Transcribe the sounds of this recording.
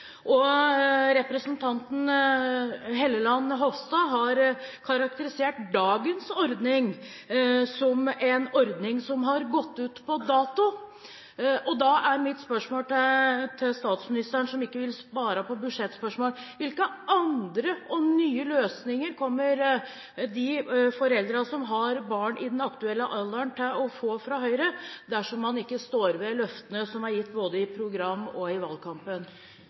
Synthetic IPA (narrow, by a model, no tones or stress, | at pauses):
ʔɔ | ɾɛpɾəsənt̪ʰɑnt̪n̩ | ɦɛlːəlɑnːɦɔfst̪ɑɦɑɾkʰɑɾɑkt̪əɾɪseːʈd̪ɑːɡənsɔɾd̪nɪŋ | sɔmɛnɔɾd̪nɪŋsɔmɦɑɾɡɔt̪ːʉːt̪pʰɔd̪ɑːt̪ʊ | ʔɔd̪ɑʔæɾmɪt̪ːspœʂmoːlt̪t̪ʰɪst̪ɑːt̪smɪnɪst̪əɳʂɔmɪkːəʋɪlspɑːɾəpɔbʉʂɛt̪ːspœʂmoːl | ʋɪlkəʔɑnd̪ɾəʔɔnyːəløːsnɪŋəɾkʰɔmːəɾ | d̪ɪfɔɾɛld̪ɾəsɔmɦɑɾbɑːɳɪ̰d̪ɛnɑkt̪ʉɛlːəʔɑlːənt̪ʰɪlɔfoːfɾɑɦœʏɾəd̪æʂɔmːɑnɪkːəst̪oːɾʋɛlœft̪ənəsɔmæɾjɪt̪ːboːd̪əɪpʰɾʊɡɾɑmːɔɪʋɑlkʰɑmpən